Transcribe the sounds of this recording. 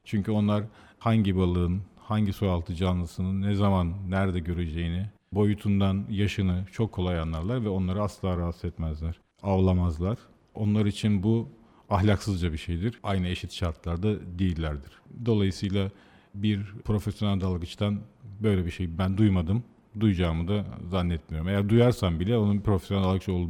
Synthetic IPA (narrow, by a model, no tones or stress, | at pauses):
t͡ʃʰyɲcʰyo̞nlˠaɾ | haɲɟibalˠɯɯnhaɲɟisojalˠt̪ʰɯd͡ʒanlˠɯsɯnɯnːɛzamanːæɾd̪ɛɟø̞ɾed͡ʒejinɪ | bo̞jut̪ʰund̪anjaʃɯnɯt͡ʃʰo̞kʰːolˠajanlːˠaɾlˠaɾvɛo̞nlˠaɾɯasllˠaːɾasɯɛt̪mɛzlʲæɾ̥ | avlˠamazlˠaɾ̥ | o̞̰nlˠaɾit͡ʃʰinbu | ahlʲaksɯzd͡ʒabiʃe̞jd̪iɾ̥ajnɯeʃit̪ʃaɾt̪ʰlˠaɾd̪ad̪ijilʲːæɾd̪iɾ̥d̪o̞lˠajɯsɯjlˠa | biɾpʰɾo̞fesjo̞nælʲd̪alˠɡɯt͡ʃt̪ʰanbø̞jlʲɛbiʃejbænd̪ujmad̪ɯm | d̪ujd͡ʒaːmɯd̪azanːɛt̪mijo̞ɾume̞jæɾd̪ujaɾsambilʲɛo̞nupʰɾofesjonæld̪alˠɡɯt͡ʃʰolˠu